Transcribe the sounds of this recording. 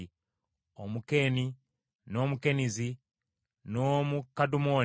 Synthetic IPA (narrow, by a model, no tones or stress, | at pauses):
omuke̞ːni | no̞mukenizi | nomukadumo